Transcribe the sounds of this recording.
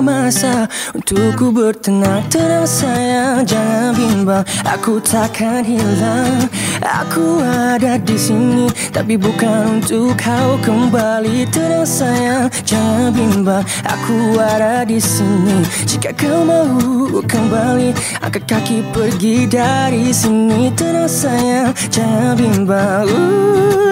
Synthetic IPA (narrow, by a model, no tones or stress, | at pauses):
masa | unt̪ukːubərt̪ənaŋt̪əɾaŋsajaŋd͡ʒaŋanbimbaŋa̰kut̪ʰakʰat̪ɦilaŋ | a̰kʰuadadisinit̪apibukanunt̪ukhawkəmbalit̪əɾaŋsajad͡ʒaŋabimba | ʔa̰kʰuadadisinid͡ʒikaʔkəmaɦukəmbali | a̰kakakipərɡidaɾisənit̪əɾaŋsaja | t͡ʃaŋabimbau